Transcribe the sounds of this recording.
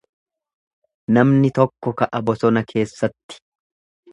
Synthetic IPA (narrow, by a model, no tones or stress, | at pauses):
nɐmnɪt̪ɔkːɔkɐʔɐbɔsɔnɐkʰe̞ːsːɐt̪ːɪ̥